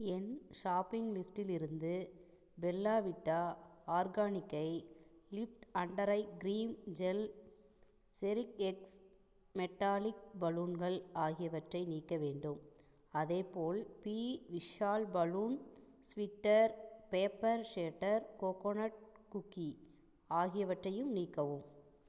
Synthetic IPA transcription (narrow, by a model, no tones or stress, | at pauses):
ɛnʃaːpːɪŋɡlɪsʈɪlɪɾɯnd̪ɯ | bɛlːaːʋɪʈːaːaːɾɡaːnɪkːɐɪlɪfʈɐɳɖɐɾɐɪɡɾiːmd͡ʒɛl | sɛɾɪkɛks | mɛʈːaːlɪk̚bɐluːnɡɐɭaːɣɪjɐʋɐʈrɐɪniːkːɐʋeːɳɖɯm | ɐðeːpoːlpiːʋɪʂaːlbɐluːn | sʋɪʈːɐɾpeːpːɐɾʂeːʈːɐɾkoːkonɐʈ̚kʊkːi | aːɣɪjɐʋɐʈrɐjɯmniːkːɐʋɯm